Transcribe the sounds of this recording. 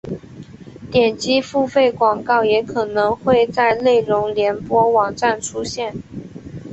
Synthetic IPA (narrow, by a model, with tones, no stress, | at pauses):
t̪jɛ˨˩nt͡ɕi˥fu˥˧fe˥˩ɪkwɑ˨˩ŋkɑ˥˩ʊjɛ˧˥kʰɤ˨˩nɤ˧˥ŋxwe˥˧ɪt͡sa˥˧ɪle˥˩ɪɻʊ˧˥ŋljɛ˧˥npwɔ˥wɑ˨˩ŋʈ͡ʂa˥˩nʈ͡ʂʰu˥ɕjɛ˥˩n